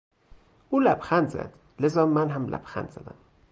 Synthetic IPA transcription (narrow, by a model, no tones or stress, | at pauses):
uːlæbxænd̪zæ̰d̪̥ | lezɒːmænɦæmlæ̰b̥xæ̰nd̪z̥æ̰d̪æ̰m